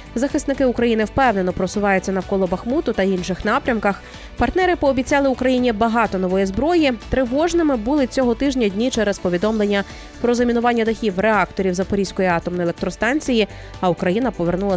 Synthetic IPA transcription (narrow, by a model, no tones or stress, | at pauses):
zɐxɪsnɪkɪʊkɾɐjinɪwpɛwne̞nɔpɾɔsʊʋɑjʊt͡sʲːɐnɐwkɔlˠɔbɐxmut̪ʊt̪ɐinʃɪxnɑpɾʲɐmkɐx | pɐrt̪nɛɾɪpɔːbʲit͡sʲɑlˠɪʊkɾɐjinʲibɐɦɑt̪ɔnɔʋɔjizbɾɔjit̪ɾɪʋɔʒnɪmɪbulˠɪt͡sʲɔɦɔt̪ɪʒnʲɐdʲnʲit͡ʃɛɾɛzpɔʋʲid̪ɔmlˠenʲːɐ | pɾɔzɐmʲinʊʋɑnʲːɐd̪ɐxʲiwreɑkt̪ɔɾʲiwzɐpɔɾʲisʲkɔjiɑt̪ɔmnɔjelˠek̚t̪ɾɔst̪ɑnʲt͡sʲiji | ɐʊkɾɐjinɐpɔʋernulˠɐ